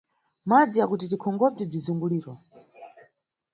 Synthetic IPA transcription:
mad͡zijakutitikʰɔŋɡɔb͡ʐɛb͡ʐizuŋɡuliːɾɔ

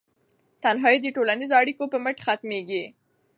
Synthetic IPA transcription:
t̪anɦɑjed̪əʈolanizoaɽikopəməʈxat̪meɡi

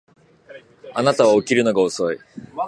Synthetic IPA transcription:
anat̪aβaokʲiɾɯ̟no̞ɡaoso̞i

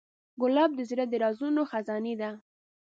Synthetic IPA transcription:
ɡʊlɑb̚d̪əzɾad̪əɾɑzunoxazɑned̪a

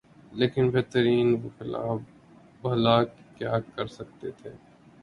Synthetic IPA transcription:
leːkɪnbɛːt̪əɾiːnʋoxɪla̰ːb | bɐlaːkkːjaːkːɐɾsɐk̚t̪et̪ʰeː

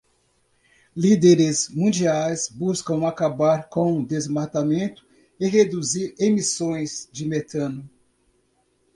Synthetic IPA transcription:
lid̪eɾɪzmũd͡ʒiajzbuskɐ̃w̃akabaɾkõw̃ũd̪ezmat̪amẽnt̪ʊ̥ | ɪɦed̪uziɾemisõj̃zd͡ʒɪmet̪ɐ̃nʊ

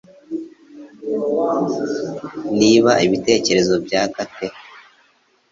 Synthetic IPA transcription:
niβaiβite̞ːce̞ɾe̞zo̞bɟaːkate̞

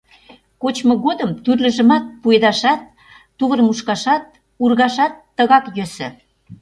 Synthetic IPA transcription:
kot͡ɕmŏɣod̪əmt̪yrlə̆ʒə̆mɑt̪̚pujd̪ɑʃɑt̪̚ː | uβə̆rmuʃkɑʃɑt̪̚ | urɣɑʃɑt̪ːə̆ɣɑkjøsɘ̰̆

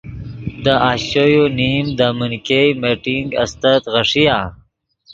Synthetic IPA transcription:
d̪əʔaːɕojonimd̪amunkejmeʈiŋɡɐ̰st̪ət̪ɣəʂija

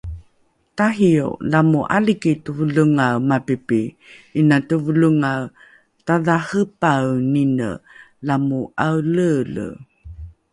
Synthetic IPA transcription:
taɦio̰lamuʔa̰likitəvəluŋawmapipi | inatəvəluŋaw | taðahəpawninə̰ | lamuawlələ̰

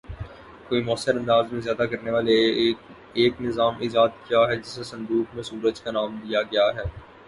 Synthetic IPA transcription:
koːimɔːsəɾɐ̃nd̪aːzmẽzjaːd̪akɐɾneʋaːle | eːknɪzaːmʔɪzaːt̪̚kijaɦɛd͡ʒɪsesɐ̃nd̪uːkmẽsuːɾəd͡ʒkanaːmd̪ijaɡɐjaɦɛː

